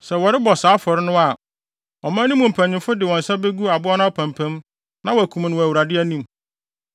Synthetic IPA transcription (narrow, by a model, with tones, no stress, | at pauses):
sɛ˨wɔ˨ɾɪ˦bɔ˨saː˨˦fɔ˨ɾɪ˦nʊ̃˦a˨ | ɔ˨mã˦nĩ˦mʊ̃˨m̩˨pʰæ̃˨ɲɪ̃˨mfʊ˦dɪ˨wɔ̃˨n̩˨sa˦be˦ɡu˦a˨bʊ˦a˦nã˦ɔ˦pʰæ̃˨mpʰæ̃˦m | nã˦wɔ˨æ˨kʰũ˨m˨nʊ̃˨wæ˨wu˨ɾa˨dɪ˦æ˦nĩ˦˨m